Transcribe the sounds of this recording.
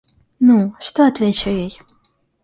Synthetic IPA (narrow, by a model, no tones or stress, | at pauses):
nuʂt̪oɐt̪vʲet͡ɕʊjej